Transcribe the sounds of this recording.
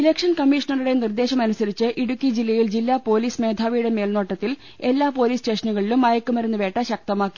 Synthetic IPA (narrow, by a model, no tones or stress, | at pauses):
ilekʂɐnkɐmːiʂɐnɐruɽe̞nird̪e̞ːɕɐmɐnusɐɾit͡ɕːɨʔiɽukʲːid͡ʑilːɐjild͡ʑilːaːpo̞ːliːsmeːd̪ʱaːʋijuɽemeːlno̞ːʈːɐt̪ːil | e̞lːaːpo̞ːliːste̞ːʂɐnuɣɐɭilumːɐjɐkːumɐɾenːuʋe̞ːʈːɐɕɐk̚t̪ɐmaːkːi̥